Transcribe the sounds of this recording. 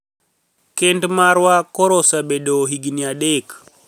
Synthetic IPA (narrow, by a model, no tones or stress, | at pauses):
kendmaɾwakoɾosaɓedoɦiɡiniaɗek